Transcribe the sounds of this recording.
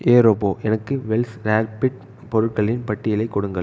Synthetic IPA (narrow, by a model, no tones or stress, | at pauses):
ʔeːɾoːpoːʔɛnɐkːɯʋɛlsɾaːɾpɪʈ | pɔɾɯʈkɐɭɪnpɐʈːɪjɪlɐɪkːɔɽɯŋɡɐɭ